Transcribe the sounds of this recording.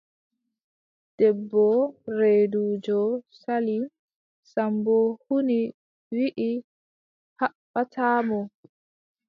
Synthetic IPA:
d̥ɛbːɔɾeːduːd͡ʒɔsali | sambɔhuni | wiʔi | haɓːatʰaːmɔ

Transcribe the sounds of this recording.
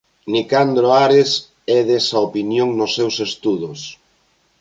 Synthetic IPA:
nikand̪ɾoaɾes | ɛðɛsɐopinjoŋnʊsːɛwsest̪uðʊs

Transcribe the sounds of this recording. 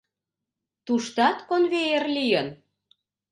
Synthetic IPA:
t̪uʃt̪ɑt̪konβejerlijən

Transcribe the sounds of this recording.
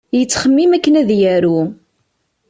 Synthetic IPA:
jət͡sːχəmːimækːənæðjæɾu

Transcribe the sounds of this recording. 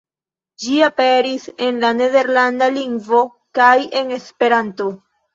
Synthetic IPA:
d͡ʒiape̞ɾise̞nlane̞ðe̞ɾlandaliŋɡvo̞ | kaje̞ne̞spe̞ɾanto̞

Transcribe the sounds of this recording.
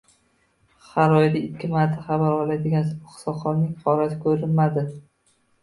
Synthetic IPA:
χaɾɒjd̪ɪɪkʲʰːɪmaɾt̪ʰaχɑbaɾɒlˠad̪ɪɡʲansʊχɨ̥sɒχɒnnɪŋhɒlat̪ʰɪ̥kʲʰɵɾɪnmad̪ɪ

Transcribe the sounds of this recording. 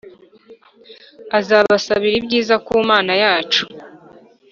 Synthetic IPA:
azaːβasaβiɾibɟiːzakuːmaːnajaːt͡ʃu̥

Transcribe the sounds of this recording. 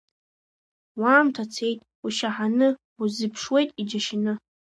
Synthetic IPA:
waːmtʰat͡sʰe̞jtʼ | uʃaħanɨ | uzɨpʰʂwe̞jtʼid͡ʒaʃɪnɨ

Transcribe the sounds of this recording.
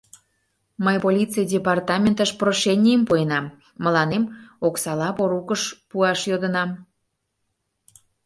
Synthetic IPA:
məjpolʲit͡sɨjdʲepɑrt̪ɑmʲent̪əʃproʃenʲijəmpojənɑmː | ə̆lɑnemoksɑlɑpoɾukəʃpuɑʃjod̪ənɑm

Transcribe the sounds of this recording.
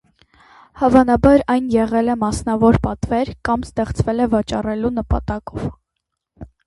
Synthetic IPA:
hɑvɑnɑbɑɾɑjnjɛʁɛlɛmɑsnɑvɔɾpɑt̪vɛɾkɑmst̪ɛχt͡svɛlɛvɑt͡ʃɑrɛlunəpɑ̰t̪ɑkɔv

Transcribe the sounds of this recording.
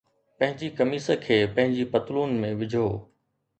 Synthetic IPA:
pɐ̃ɦɪ̃ɲd͡ʑikɐmiːsəkʰeːpɐ̃ɦɪ̃ɲd͡ʑipɐt̪luːnmẽʋɪd͡ʑʱoː

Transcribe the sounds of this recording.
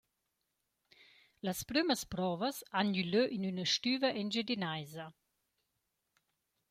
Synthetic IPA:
lɐspɾyməspɾɔvəsanyløʔinynəʃtyːvɐʔɛnd͡ʒed̪inajzɐ

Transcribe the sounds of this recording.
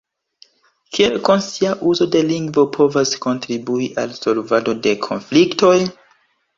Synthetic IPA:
kʰie̞lko̞nsiaʔuzo̞de̞liŋɡvo̞pʰo̞vasko̞ntɾibuiʔa̰lso̞lvado̞de̞kʰo̞̰nflikto̞j

